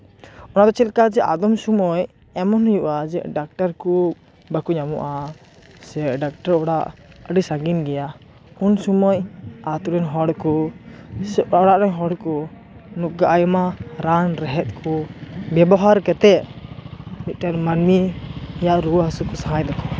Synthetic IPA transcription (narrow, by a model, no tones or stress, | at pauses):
ɔnad̪ɔt͡ʃɛlkad͡ʒɛʔad̪ɔmsumɔj | ɛmɔnɔjuʔad͡ʒɛʔɖak̚ʈaɾkɔ | bakuɲamɔʔa | sɛɖak̚ʈaɾɔɽaʔəɖisaɡinɡɛja | unsumɔjat̪uɾɛnɦɔɽkɔ | ɔɽaʔɾɛɲɦɔɽkɔ | nuɡaʔajɔmaɾanɾɛɦɛt̪̚ˀkʰɔbɛbɔɦaɾkɛt̪ɛ | mit̪̚ˀʈanmaɾmijaʔɾuwɦasukɔsaɦajd̪ɔkɔ